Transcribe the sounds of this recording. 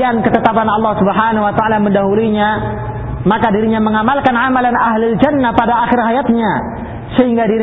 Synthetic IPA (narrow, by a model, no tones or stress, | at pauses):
ankət̪ət̪apanɑlːɑhsubəɦanawat̪aalaməndaɦuliɲa | makadiɾiɲaməŋamalkanʕamalanaɦlald͡ʒanːapadaːxɪrɦajat̪̚ɲa | səhiŋɡadiɾ